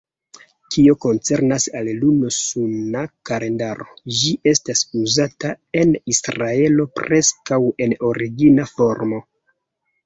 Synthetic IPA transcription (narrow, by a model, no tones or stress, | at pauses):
kʰio̞ko̞nt͡se̞ɾnasallunosunakale̞ndaɾo̞̰d͡ʒiʔe̞stasuzatae̞nisɾae̞lo̞pɾe̞skawe̞no̞ɾiɡinafo̞ɾmo̞